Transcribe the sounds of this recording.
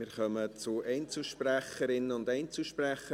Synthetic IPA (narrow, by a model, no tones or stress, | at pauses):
mɪːɾχœmət͡sʊʔɛɪnt͡sl̩ˠʃpræχəɾɪnəʊndɛɪnt͡sl̩ʃpræχə